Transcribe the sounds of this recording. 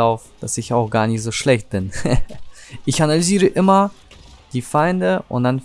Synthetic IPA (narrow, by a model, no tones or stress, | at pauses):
aʊfd̥asɪçaʊxɡ̥aːɐnɪçtz̥oːʃlɛçt̚b̥ɪn | ʔɪçanalyziːʁəʔɪmɐ | d̥iːfaɪndəʔʊ̰ntd̥an